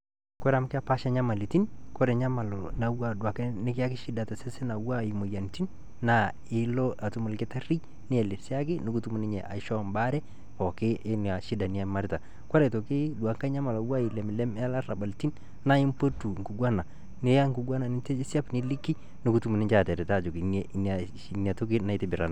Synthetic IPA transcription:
kɔ˦ɾa˨m˦kɪ˦a˦pa˦ʃa˦ɲa˦ma˨li˨ti˦nkɔ˦ɾɛ˨ɲa˦ma˨lo˨na˨wa˨dwa˨knɪ˦kɪ˦a˦kɪ˦ʃi˦da˨ta˨sɛ˦sɛ˦na˨wa˦i˨mo˨ja˨nti˦nː | a˨ | ɪ˦lɔ˦a˨tu˦mu˨lkɪ˦ta˦ɾi˦ | nɪ˦ɛ˨lɪ˨si˦a˦kɪ˦nu˨ku˦tu˦mu˨nɪ˦ɲɛ̰˨ʔa̰˨˦ʃɔ˦˨mba˦ɾɛ˦ | pɔ˨kɪ˦ʔɪ˦n˨a˨ʃi˦da˨ni˦ja˦ma˦ɾɪ˦ta˨ | kwa˦ɾa˨to˨kɪ˦dwa˨ŋka˦ɲa˦ma˨la˨wa˦i˨lɛ˨m˨lɛ˦ma˦la˦ɾa˨ba˨lti˦n | na˦i˦mpo˦tu˨ŋ˨ku˨ɡwa˦na˨ | nɪ˦ja˦ŋku˨ɡwa˦na˨nɪ˦te˦si˦a˦pni˦li˦kːi˦ | nʊ˦ku˦tu˦mu˨nɪ˦t͡ʃa˦˨tɛ˨ɾɛ˨ta˦˨d͡ʒo˨ki˨n˨˦n˨ | ni˨a˨to˦ki˦na˦i˨tɪ˦bɪ˨ɾa˨na˨

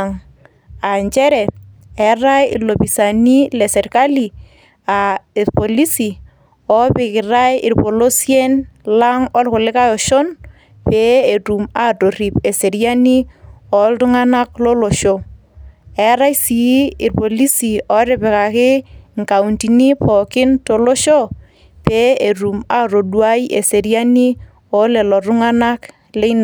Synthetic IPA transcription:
ŋ | a˨ɲt͡ʃɛ˦ɾɛ˨ | ɛ˨ɾa˦jɪ̰˨lo˨pi˨sa˨ni˦lɛ˨sɛ˨rka˦li˨ | aɪ˨ɾpɔ˨li˦si˨ | ɔ˦pɪ˨kɪ˨ɾa˦jɪ˨rpo˨lo˦sjɛ˦nla˦ŋɔ˦lkʊ˨lɪ˦ka˦jɔ˨ʃɔ˦n | pɛ˦e˨tu˨ma˨to˨ɾi˨pe˨se˨ɾja˦ni˦ɔ˨ltʊ˦ŋa˦na˦klɔ˦lo˨ʃo˦ | ɛ˨˦ɾa˦i˦si˨˦ɪ˨rpo˨li˦si˨ɔ˦ɾɪ˦˨pɛ˨ka˨kɪ˦ŋka˨u˨nti˨ni˦pɔ˨kɪ˦nto˨lo˦ʃo˦ | pe˦e˨ɾu˨ma˦ɾo˨dwa˦ji˦ʔe˨se˨ɾja˦ni˦ | ɔ˨˦le˨lɔ˨ɾʊ˦ŋa˦na˦k | le˦n˨

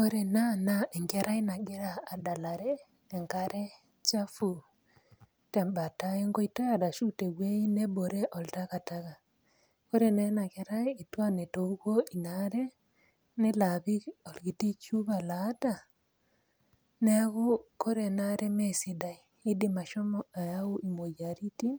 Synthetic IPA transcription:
ko˦ɾe˨na˦naʔe˨ŋɡe˦ɾa˦i˦na˨ɡe˦ɾaː˨da˨la˨ɾeː˦˨ | ŋka˦ɾe˦ | t͡ʃa˦fu˨ | te˨mba˨ta˦e˦ŋɡo˦ita˦ja˨da˨ʃu˦te˨ɣwe˦i˦ne˦bo˨ɾe˦ʔo˨lta˦ka˨taɣa˨ | ko˦ɾenena˨ke˨ɾa˦i˨twa˦ne˨toɣo˦i˨naɾe | ne˦laβi˦o˨lɣi˨ti˦t͡ʃu˦βalata˨ | ne˦ɣo˦ko˦ɾenaɾe˦mesida˨i˨ | e˦dima˨ʃo˦mɔa˨ja˦u˦ʔi˨mo˨jaɾi˦ti˦

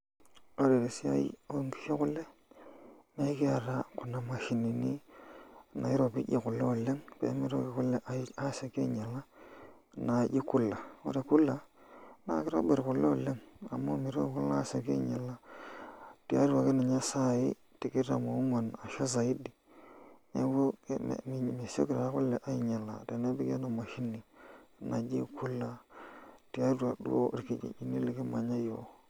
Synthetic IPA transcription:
o˦ɾe˨ɾe˨si˦a̰˦ḭ˦o˦ŋki̥˦ʃe˦kʊ˦le˦ | ma˦i˦ki˦a˨ɾa˦kʊ˨na˨ma˨ʃi˨ni˨ni˦ | na̰˨ɪ˦ɾo˨pḭ˦ʄi˨kʊ˨le˦o˨le˦ŋpḛ˨˦mi˦ɾo˦kɪ˨˦kʊ˦le˦ʔa˨˦a˦se˨ke˦ɲa˨la˦ | na˨d͡ʒi˦ku˦la˨o̰˦ɾe˨ku˦la˦na̰˨kɪ˦ɾo̰˦be˨ɾkʊ˨lo˨le˦ŋa˨mo˦mi˨ɾo˦kʊ˦la˦se˨kḛ˦ɲa˨la˦ | ti˨a̰˦ɾa˨kɪ˦na˨ɲa˦sa˦i˦ | ti˨ki˦ɾa̰˨mo˨˦ma˨na˨ʃo˦s̬a˨i˦di˨ | nḛ˦bo̰˦˨m˨me˨so̰˦kɪ˨ɾa˨˦kʊ˦lːe˨ʔa˦i˨ɲa˨la˨te˨ne˦bi˦ɡe˦na˨ma˨ʃi˦ni˨na˨d͡ʒi˦ku˦la˦ | ti˨a˦da˨ɗṵ˦o̰˦˨ɾki˦˨d͡ʒḭ˨d͡ʒi˦ni˦le˨ki˦ma˨ɲa˦jo˨

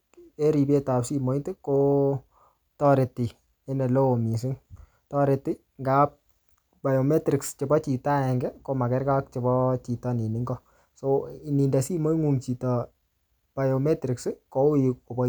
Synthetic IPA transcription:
e˦ɾi˨pje˦ta˨psi˦mo˨i˦tɪ˦ko˦ | tɔ˦ɾe˨ti˨ | ɛ˦ne˨lo˦o˨mi˨s̬ɪ˦ŋ | tɔ˦ɾe˨tɪ˦ | ŋɡa˨˦p̚ | ba˨jo˨mɛ˦tɾi˨kst͡ʃe˨bɔ˦t͡ʃi˨ta˦ɛ˨ŋɡɛ˦ko˦ma˨kɛ˦ɾka˦k̚t͡ʃe˨bɔ˦t͡ʃi˨tɔ˦ni˨ni˨˦ŋɡɔ˦ | so˦i˨ni˨nda˨si˦mo˦i˦ŋu˨ŋt͡ʃi˨tɔ˨ | b̥a˨jo˨mɛ˦tɾi˨ksko˦u˦jo˨bɔ˨

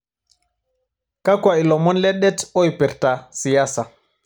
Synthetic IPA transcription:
ka˦kwa˨i˨lɔ˨mɔ˦nlɛ˦ɗɛ˦tɔ˦i˨pɛ˨ɾta˨si˨ja˦sa˨

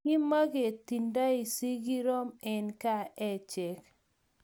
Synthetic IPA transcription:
i˦ma˦ɡe˨ti˨nda˦i˨si˦ɡi˦ɾɔ˦mɛ˨nka˦˨ʔɛ˦˨t͡ʃɛ˨k

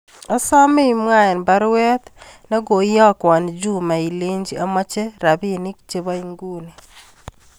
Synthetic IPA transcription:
ɔ˦sɔ˦mɪ˦i˨mwa˦ɛ˨nba˦ɾwɛ˦t̪nɔ˦ɡo˨jɔ˦kwɔ˨nd͡ʒu˦ma˨i˨le˦ɲd͡ʒi˦a˦mɔ˦t͡ʃe˦ɾa˨bi˦ni˦k̚t͡ʃe˦ba˦i˦ŋɡu˦ni˨

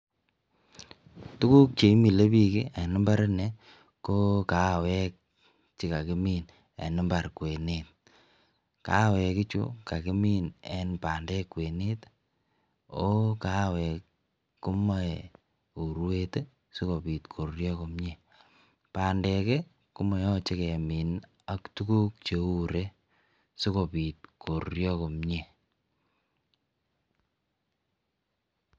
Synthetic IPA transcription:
tʊ˦ku˦k̚t͡ʃe˨i˦mi˨le˦pi˦ke˦e˨nɪ˦mba˦ɾe˦ne˨ | ko˦ka˨˦˨wɛ˦k̚ | t͡ʃi˨ka˨ke˦min | ḛ˨nɪ˦mba˨ɾkwe˨net̚ | ka̰˨˦wɛ˨kɪ˦t͡ʃṵ˦ka˨ki˦mi˦nɛ˦npa˨ndɛ˦kːwe˨ne˦t | o˦ka˦wɛ˨k | ku˦ma˦ | u˨ɾwe˦te˦ | su˦ko˨pi˨tkʰo˨ɾjɔ˦ko˨mɲe˦˨ | pa˨ndɛ˨ke˦ | ku˦ma˨jɔ˦t͡ʃe˦ke˨mi˨n | a˦ktu˦ku˦k̚t͡ʃe˨u˦ɾe˦ | su˦ko˨pi˨t̚kʰo˨rjɔ˦ko˨mɲe˦˨

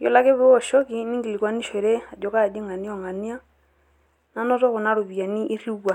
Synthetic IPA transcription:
jɔ˨la˦ke˦βɛ˦ɔ˨ʃɔ˦ki˦ni˦ŋɡi˨li˨kwa˨˦ni˦ʃe˨ɾe˦a˨dɔ˨ka˦˨di˦ŋa˨ni˦ɔ˨ŋa˨ni˦a˦ | na˦nɔ˦tɔ˦kʊ˨na˦ɾo˨βi˨ja˨ni˦ʔi˦ri˦wa˨

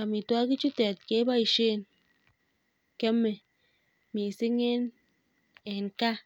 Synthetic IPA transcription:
a˨mi˨twa˦ki˦t͡ʃu˦te˨t̚ke˨˦ba˦i˨ʃe˦˨n | ke˦mːe˨ | mi˨se˦ŋe˦n | e˨n˨ka˦

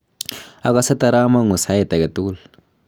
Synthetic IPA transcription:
a˦ka˦sa˦t̪a˦ɾa˦ma˦ŋu˨sa˦ɛ˨t̪a˨kɛ˨tu˦l

